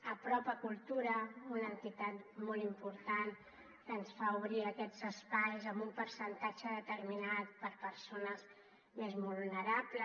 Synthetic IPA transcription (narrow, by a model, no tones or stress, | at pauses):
əpɾɔpəkulˠt̪uɾəunənt̪it̪at̪mɔlˠimpuɾt̪an | kənsfauβɾiəkɛd͡zəspajzəmbumpəɾsənt̪at͡ʃəðət̪əɾminat̪̚pəɾpəɾsonəz | mezβulβulnəɾaplə